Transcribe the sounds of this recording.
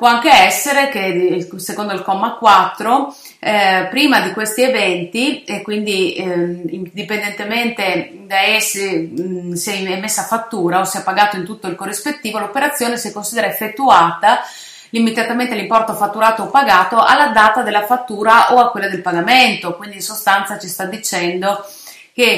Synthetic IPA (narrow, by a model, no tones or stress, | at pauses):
pwɔaŋkeɛsːeɾekesekond̪oilkɔmːakːwat̪ːɾo | pɾiːmad̪ikwest̪ievɛnt̪ikwind̪i | d̪ipend̪ent̪ement̪e | d̪aɛse | siɛɛmːesːaːfat̪ːuːɾaosiɛpaɡaːt̪oint̪ut̪ːoilkorːispet̪ːiːvolopeɾat̪sːjoːnesekːonsid̪eɾaefːet̪ːuaːt̪a | limit̪at̪ament̪ealimpɔrt̪ofat̪ːuɾaːt̪oːpːaɡaːt̪oʔalːad̪aːt̪ad̪elːafat̪ːuːɾaʔoakːwelːad̪elpaɡament̪okwind̪insost̪ant̪sat͡ʃist̪ad̪ːit͡ʃɛnd̪o | ke